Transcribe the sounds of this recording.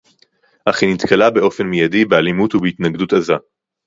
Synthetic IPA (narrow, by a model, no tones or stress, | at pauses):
ʔaχinit̪kalabe̞ʔo̞fe̞nmijadibealimutubeit̪naɡdutaza